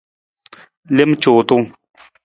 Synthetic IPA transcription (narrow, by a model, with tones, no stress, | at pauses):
le˥˨mt͡ɕo˩˨t̪o˥˨ŋ